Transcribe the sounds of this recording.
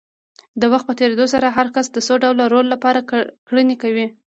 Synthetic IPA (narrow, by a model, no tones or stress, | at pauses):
d̪əwaxt̪pət̪eɾed̪osaɾaɦaɾkasd̪əsoɖawlaɾolːapɑɾakɽənekawi